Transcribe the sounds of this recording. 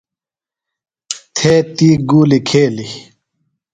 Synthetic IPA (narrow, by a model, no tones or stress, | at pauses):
t̪ʰeːt̪iːɡuːlikʰeːli